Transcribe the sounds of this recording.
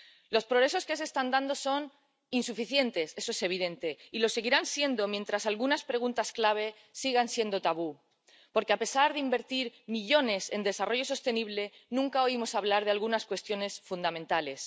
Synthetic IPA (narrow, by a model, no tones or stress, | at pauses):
lo̞spɾo̞ɣɾe̞s̬o̞ske̞s̬e̞ːst̪and̪and̪o̞so̞n | insufiθje̞nt̪e̞se̞so̞ese̞β̞iðe̞nt̪e̞ilo̞se̞ɣiɾansje̞nd̪o̞mje̞nt̪ɾasalɣunaspɾe̞ɣ̞unt̪asklaβ̞e̞ | siɣansje̞nd̪o̞t̪aβ̞u | po̞ɾkeape̞saɾðeimbe̞ɾt̪iɾmiʎo̞ne̞se̞nd̪e̞saro̞ʝo̞so̞st̪e̞niβ̞le̞nũŋkao̞imo̞saβlaɾðe̞alɣunaskwe̞st̪jo̞ne̞sfund̪amẽnt̪ale̞s